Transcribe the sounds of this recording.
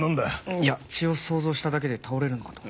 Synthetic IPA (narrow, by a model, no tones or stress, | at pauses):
ãnd̪aiat͡ɕio̞so̞ːzo̞ːɕi̥t̪ad̪ak̬e̞d̪e̞t̪ʰao̞ɾe̞ɾɯ̟nokḁt̪o